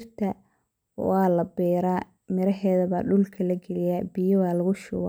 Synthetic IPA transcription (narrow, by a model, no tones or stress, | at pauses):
rt̪ʰɐ | wɑːlɐbɛːɾaː | mɪɾɐɦɛːðɐβa̰ːɖʊlkʰɐlɐɡɛlɪjaːbɪjɐwaːlɐɣʊʃʊ̰wa̰ː